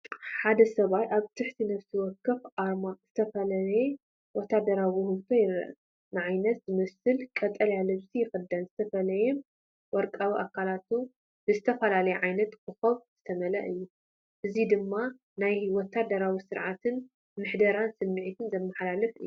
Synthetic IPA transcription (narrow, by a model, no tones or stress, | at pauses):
ħad̪ɐsɐβajʔaβt̪ʰɨħt̪ʰinɐβsiwɔkːɐfʔaɾmazɨt̪ʰɐfɐlɐlɐje | wɔt̪ːad̪ɐɾawihɨlt̪ʰojɪɾɐ̰ʔɐ | nɨʕajnɐt̪zɨmɐsɨlkʼɐt̪ʼɐljalɨβsijɪxɨd̪ːɐnzɨt̪ʰɐfɐlɐjɛ | wɔɾkʼawiʔakʰalat̪u | bɨzɨt̪ʰɐfɐlalɐjɛʕajnɐt̪kʰɨxɐβz̥ɨt̪ʰɐmɐlɐ̰ʔɨjːu | ʔɨzid̪ɨmːa | najwɔt̪ʰːad̪ɐɾawisɨɾʕat̪ʰɨn | mɨħd̪ɐɾansɨmːiʕit̪ʰɨnzɐmːɐħalalɨfɨ̰jːuu